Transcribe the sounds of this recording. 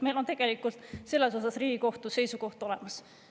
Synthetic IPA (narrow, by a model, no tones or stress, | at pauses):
me̞jlont̪e̞ɡ̥e̞likːˑult̪ˑse̞lːe̞so̞sɑsriːɡ̥iko̞ht̪use̞jsuko̞ht̪o̞le̞mɑs